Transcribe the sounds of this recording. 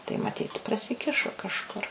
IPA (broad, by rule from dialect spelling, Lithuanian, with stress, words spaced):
tɐɪ mɐˈtʲiːt prɐsʲɪˈkʲɪʃoː kɐʃˈkʊr